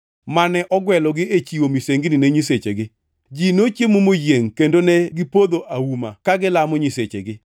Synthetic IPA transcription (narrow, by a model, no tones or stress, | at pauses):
manɛʔɔɡwɛlɔɡɪet͡ʃiwomiseŋɡinɪnɛɲiset͡ʃeɡɪ | d͡ʒinot͡ʃjemomojjeŋkendonɛɡɪpod̪oʔawuma̰kaɡɪlamɔɲiset͡ʃḛɡɪ